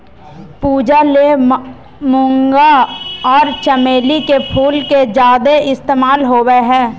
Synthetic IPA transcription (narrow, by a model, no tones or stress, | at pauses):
puːd͡ʒale | mʊ̃ŋɡaɔːɾt͡ʃəmeːlikepʰuːlked͡ʒaːd̪eʔɪst̪eːmaːlɦoːweɦɛ̃ː